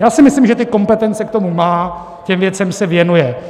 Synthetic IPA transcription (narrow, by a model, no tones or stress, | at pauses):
jaːsɪmɪslimʒɛt̪ɪko̞mpɛt̪ɛnt͡sɛk̚t̪o̞mumaː | cɛmvjɛt͡sɛmsɛvjɛnujɛ